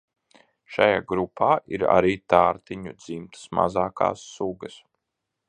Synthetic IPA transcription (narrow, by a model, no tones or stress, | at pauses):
ʃajaːɡɾupʰaːʔiɾa̰ɾiːt̪aːɾt̪iɲud̪zimt̪ʰə̥sma̰zaːka̰ːsːuɡɐs